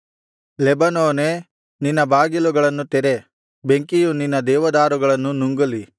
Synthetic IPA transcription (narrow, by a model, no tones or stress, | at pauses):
lɛbɐnoːne | ninːɐbaːɡiluɡɐɭɐnːut̪ɛɾe | beŋkijuninːɐd̪ɛːʋɐd̪aːɾuɡɐɭɐnːunuŋɡɐli